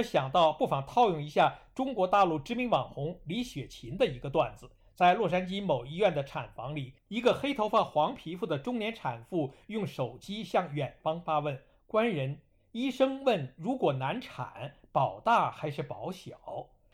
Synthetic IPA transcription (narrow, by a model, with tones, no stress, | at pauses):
ɕjɑ˨˩ŋt̪ɑ˥˧ʊpu˥˩fɑ˨˩ŋt̪ʰɑ˥˧ʊjʊ˥˩ŋi˧˥ɕja˥˩ʈ͡ʂʊ˥ŋkwɔ˧˥t̪a˥˧lu˥˩ʈ͡ʂɻ̩˥mi˧˥ŋwɑ˨˩ŋxʊ˧˥ŋli˧˥ɕɥɛ˨˩t͡ɕʰi˧˥nd̪ə˧i˧˥ɡə˧t̪wa˥˩nd͡zɹ̩˩˦ | t͡sa˥˧ɪlwɔ˥˩ʂa˥nt͡ɕi˥mo˨˩ʊi˧˥ɥɛ˥˩nd̪ə˩ʈ͡ʂʰa˨˩nfɑ˧˥ŋli˨˩i˧˥ɡə˧xe˥ɪt̪ʰo˧˥ʊfa˥˩xwɑ˧˥ŋpʰi˧˥fu˥˩d̪ə˩ʈ͡ʂʊ˥ŋnjɛ˧˥nʈ͡ʂʰa˨˩nfu˥˧jʊ˥˩ŋʂo˨˩ʊt͡ɕi˥ɕjɑ˥˩ŋɥɛ˨˩nfɑ˥ŋfa˥wə˥˩n | kwa˥nɻə˧˥n | i˥ʂɤ˥ŋwə˥˩nɻu˧˥kwɔ˨˩na˧˥nʈ͡ʂʰa̰˨˩˦npɑ˨˩ʊt̪a˥˩xa˧˥ɪʂɻ̩˥˩pɑ˧˥ʊɕjɑ˨˩˦ʊ